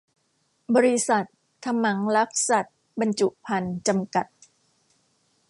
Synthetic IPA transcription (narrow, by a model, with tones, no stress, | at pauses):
bɔː˧ɾi˧˥sa˨˩t̪̚ | t̪ʰa˧mːa˩˦ŋla˦˥p̚sa˨˩t̪̚ | ba˧nt͡ɕu˨˩ʔpʰa˧nt͡ɕa˧mka˨˩t̪̚